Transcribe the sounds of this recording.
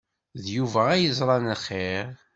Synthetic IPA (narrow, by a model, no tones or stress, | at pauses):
ðjuvæːjəzˤɾˤɑnχeʁ